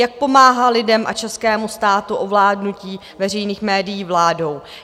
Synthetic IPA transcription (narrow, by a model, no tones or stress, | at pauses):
jak̚po̞maːɦalɪdɛmʔa̰t͡ʃɛskɛːmust̪aːt̪uʔovlaːdnuciː | vɛr̝ɛjniːxmɛːdɪjiːvlaːdo̞w